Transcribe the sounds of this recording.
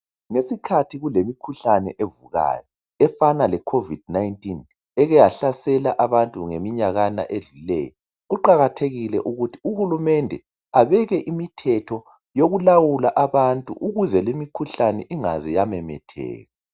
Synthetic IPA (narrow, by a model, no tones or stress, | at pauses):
ŋesikʰatʰiɣulemikʰuɬanɛ̰ʔevuɣa̰ːjɔ | ɛfanalɛkʰovid̥najntʼin | ɛɣɛjaɬasɛlaʔaβantʼuŋemiɲaɣana̰ʔeɮulɛ̰ːjɔ | ɣuǃaɣatʰeɣilɛʔuɣutʰi̥uhulumɛndʱɛ | aβɛɣɛʔimitʰɛtʰɔ | joɣulawulaʔaβantʼṵʔuɣuzɛlimikʰuɬanɛ̰ʔiŋazɛjamɛmɛ̰tʰɛ̰ːɣa